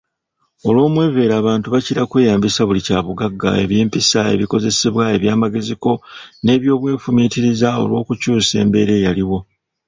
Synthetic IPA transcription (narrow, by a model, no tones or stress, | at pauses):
o̞lwo̞ːmwe̞ːve̞ːɾaːβaːntuβaciɾakwe̞ːjaːmbisaβulicaːβuɡaɡːa̰e̞̰βjeːmpisae̞̰βiko̞ze̞seβwae̞βjaːmaɡe̞ziko̞ne̞ːβjo̞ːβwe̞ːfumiːtiɾizao̞̰lwo̞ːkucuːse̞̰ːmbe̞ːɾe̞ːjaliwo̞